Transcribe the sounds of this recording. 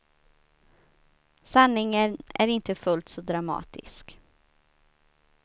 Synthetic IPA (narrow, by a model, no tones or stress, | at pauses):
sanːɪŋənæ̰ɾɪnt̪əfɵlt̪sɔd̪ɾamɑ̰ːt̪ɪ̰sk